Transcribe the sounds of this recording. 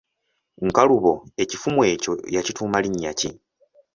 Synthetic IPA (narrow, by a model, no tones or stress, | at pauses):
ŋkaluβo̞e̞cifumwe̞ːco̞̰jacituːmaliɲːaci